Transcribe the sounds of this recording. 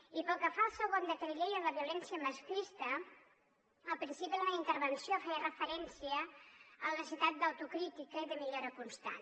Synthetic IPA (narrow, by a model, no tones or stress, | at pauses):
ipəlˠkəfalˠsəɣond̪ət̪əɾʎejənləβiulɛnsiəməskɾist̪ə | əlpɾinsipiðunaint̪əɾβənsiofɛjrəfəɾɛnsiəələsit̪at̪̚d̪əwt̪ukɾit̪ikəiðəmiʎoɾəkunst̪a̰n